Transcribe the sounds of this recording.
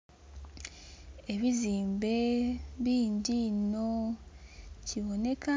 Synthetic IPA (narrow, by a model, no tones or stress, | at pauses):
e̞βiziːmbe̞βiːndino̞ | ciβo̞ne̞ka